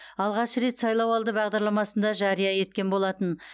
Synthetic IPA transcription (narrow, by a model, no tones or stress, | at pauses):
ɑlˠʁɑʃəɾe̞t̪sɑjlˠɑwɑlˠd̪əbɑʁd̪ɑɾlˠɑmɑsənd̪ɑʒɑɾijɑje̞t̪̚kʲe̞nbo̞lˠɑt̪ən